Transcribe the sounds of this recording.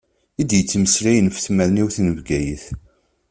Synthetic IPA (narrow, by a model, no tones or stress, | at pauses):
id̪jət͡sːməslæjənfθməɾniwθnəvɡæjəθ